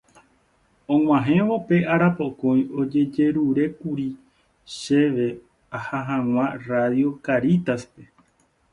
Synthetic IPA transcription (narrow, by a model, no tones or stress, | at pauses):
õŋ̃ʷãɦẽ̞ʋo̞pe̞ʔaɾapo̞kõ̞j̃o̞d͡ʒe̞d͡ʒe̞ɾuɾe̞kuɾi | ʃe̞ʋe̞ | ahaɦãw̃ãraðjo̞kaɾit̪aspe̞